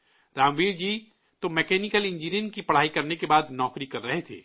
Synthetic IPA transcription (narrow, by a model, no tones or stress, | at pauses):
ɾaːmbiːɾd͡ʒiː | t̪omɛːkɛːnɪkəlɪ̃ɲd͡ʒiːɾənkipɐɽ̤aːikɐɾnekebaːd̪nɔːkɾikɐɾːɐɦet̪ʰḛː